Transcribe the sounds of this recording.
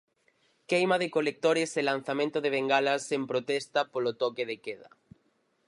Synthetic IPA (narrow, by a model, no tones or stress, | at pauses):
kejmaðekolek̚t̪oɾeselan̟θamẽnt̪oðeβeŋɡalasempɾot̪est̪apolot̪okeðekeða̰